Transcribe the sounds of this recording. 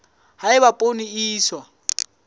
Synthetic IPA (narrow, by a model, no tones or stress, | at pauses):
haɪbapʼoniiːswa